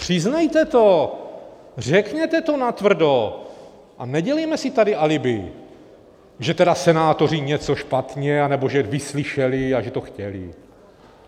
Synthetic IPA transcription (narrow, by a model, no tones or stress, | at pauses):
pr̝̥ɪznajt̪ɛt̪o | r̝ɛkɲɛt̪ɛt̪o̞nat̪vr̩do | ʔanɛɟɛlɛjmɛsɪt̪adɪʔalɪbɪ | ʒɛt̪ɛdasɛnaːt̪o̞r̝ɪɲɛt͡so̞ʃpat̪ɲɛanɛbo̞ʒɛvɪslɪʃɛlɪaʒɛt̪o̞xcɛlɪ̰